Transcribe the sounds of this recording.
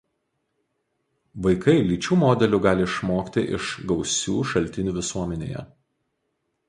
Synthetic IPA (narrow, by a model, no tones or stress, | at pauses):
ʋɐɪkɐɪlʲiːt͡ʃʲuːmoːd̪ʲɛlʲuɡɑːlʲɪɪʃmoːkt̪ʲɪʔɪ̰ʃɡɒʊsʲṵːʃɐlʲt̪ʲɪnʲuːʋʲɪsuɔmʲɛnʲḛːjɛ̰